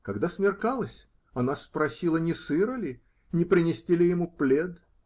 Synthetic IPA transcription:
kɐɡd̪asmʲɪrkalˠəsʲ | ɐnaspɾɐsʲilˠənʲɪsɨɾəlʲɪ | nʲɪpɾʲɪnʲɪsʲtʲilʲɪjɪmuplʲed̪

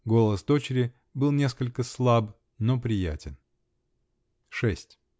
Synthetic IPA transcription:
ɡo̞lˠəsd̪o̞t͡ɕɪɾʲɪ | bɨlˠnʲe̞s̬kəlʲkəslˠab | nopɾʲɪjæ̰tʲɪn | ʂɛsʲtʲ

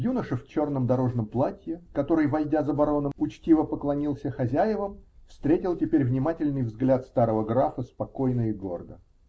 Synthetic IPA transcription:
junəʂɨft͡ɕo̞rnəmd̪ɐɾo̞ʐnəmplˠatʲjɪkɐt̪o̞ɾɨjvɐlʲdʲazɐbɐɾo̞nəmʊt͡ɕtʲivəpəklˠɐnʲilˠsʲəxɐzʲæjɪvəmfst̪ɾʲetʲɪlˠtʲɪpʲeɾʲvnʲɪmatʲɪlʲnɨjvzɡlʲat̪st̪aɾəvəɡɾafəspɐko̞jnəɪɡo̞̰rd̪ə

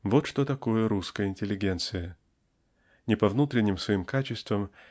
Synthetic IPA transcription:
vot̪ʂt̪ot̪ɐko̞jəɾuskəjəɪnʲtʲɪlʲːɪɡʲe̞nt̪sɨjə | nʲɪpɐvnut̪ɾʲɪnʲːɪmsvɐimkat͡ɕɪst̪vəm

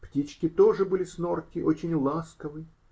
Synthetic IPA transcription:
ptʲit͡ɕkʲɪt̪oʐɨbɨlʲɪsnorkʲɪʔot͡ɕɪnʲlˠaskəvɨ

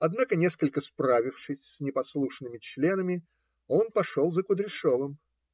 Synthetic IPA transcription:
ɐd̪nakənʲe̞skəlʲkəspɾavʲɪfʂɨsʲsnʲɪpɐslˠuʂnɨmʲɪt͡ɕlʲe̞nəmʲɪ | o̞npɐʂolˠzəkʊd̪ɾʲɪʂovɨm

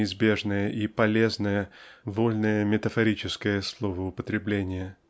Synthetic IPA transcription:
ɪzbʲe̞ʐnəjəʔipɐlʲe̞znəjəvolʲnəjəmʲɪt̪əfɐɾʲit͡ɕɪskəjəslˠovəʊpət̪ɾʲɪblʲenʲɪjə

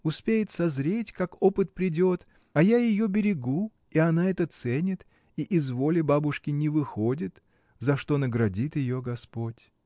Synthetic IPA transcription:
ʊspʲejɪt̪sɐzɾʲetʲkakopɨt̪̚pɾʲɪdʲo̞t̪ | ɐjajɪjo̞bʲɪɾʲɪɡu | iɐnaɛt̪ət̪sɛnʲɪt̪ | iʔɪzvo̞lʲɪbabʊʂkʲɪnʲɪvɨxo̞dʲɪt̪ | zɐʂt̪o̞nəɡɾɐdʲit̪jɪjo̞ɡɐspo̞tʲ

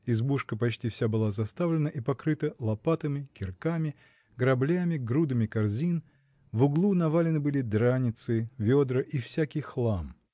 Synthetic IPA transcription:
ɪzbuʂkəpɐt͡ɕtʲifsʲabɨlˠazɐst̪avlʲɪnəʔipɐkɾɨt̪əlˠɐpat̪əmʲɪkʲɪrkamʲɪ | ɡɾɐblʲamʲɪɡɾud̪əmʲɪkɐrzʲin | vʊɡlˠunɐvalʲɪnɨbɨlʲɪd̪ɾanʲɪt̪sɨvʲod̪ɾəʔifsʲækʲɪjxlˠam

